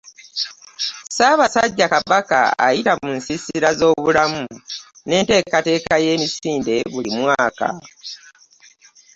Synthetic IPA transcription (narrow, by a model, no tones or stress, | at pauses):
saβasaɟːakaβaka̰a̰jitamunsisiɾazo̞ːβulamu | ne̞ːnte̞ːkate̞ːkaje̞ːmisiːnde̞βulimwaːka̰